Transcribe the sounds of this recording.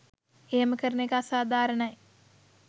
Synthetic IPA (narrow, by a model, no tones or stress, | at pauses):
eːməkəɾənekaasaːd̪ʱaːɾəɳɐj